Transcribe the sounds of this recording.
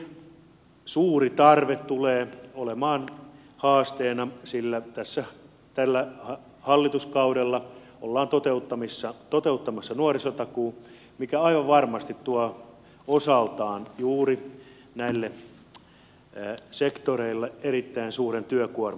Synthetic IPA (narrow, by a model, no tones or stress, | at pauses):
suːrit̪ɑrʋet̪t̪uleːolemɑːn | hɑːst̪eːnɑsilːæt̪æsːæ | t̪ælːæhɑ | hɑlːit̪uskɑudelːɑ | olːɑːnt̪ot̪eut̪ːɑmisːɑt̪ot̪eut̪ːɑmɑsːɑnuorisot̪ɑkuː | mikæɑiʋɑʋʋɑrmɑst̪it̪t̪uɑ | osɑlt̪ɑːnjuːri | næilːe | sekt̪oreilːeerit̪ːæinsuːrent̪yøkuorm